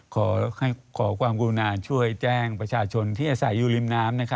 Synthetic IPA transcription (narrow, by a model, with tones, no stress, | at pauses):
kʰɔː˩˦ha˥˩jkʰɔː˩˦kʰwaː˧mkuː˧naː˧t͡ɕʰu˥˩əjt͡ɕɛː˥˩ŋpɾa˧t͡ɕʰaː˧t͡ɕʰo˧nt̪ʰiː˥˩ʔaː˧sa˩˦jːuː˨˧li˧mnaː˦˥mna˦˥kʰa˦˥